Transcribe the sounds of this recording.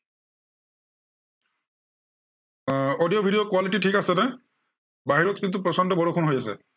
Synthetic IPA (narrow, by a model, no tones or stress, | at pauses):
ɔdijɔbʱidijokwaliʈiʈʰikasɛnɛ | baɦiɹɔt̪kint̪upɹɔsɔndɔbɔɹokʰʊnɦojasɛ̰